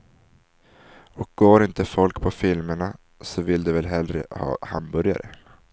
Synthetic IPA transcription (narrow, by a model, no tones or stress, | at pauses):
ɔk̚ɡ̥oːɾɪnt̪əfɔlkpʰɔfɪlməɳa | sɔvɪlːd̪ɛvɛlɦɛld̪ɾə̰hɑ̰ːha̰mbœɾja̰ɾə